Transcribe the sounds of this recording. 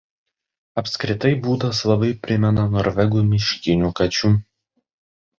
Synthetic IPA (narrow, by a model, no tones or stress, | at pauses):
ɐpʲsʲkɾʲɪt̪ɐɪbuːd̪ɐslˠɐbɐɪpʲɾʲɪmʲɛnɐnɔɾʲʋʲɛɡuːmʲɪʃʲkʲɪnʲuːkɐt͡ʃʲuː